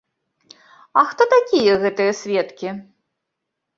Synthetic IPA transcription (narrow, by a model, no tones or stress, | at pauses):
ɐxt̪ɔt̪akʲijɐɣɛt̪ɨjɐsʲvʲɛt̪kʲi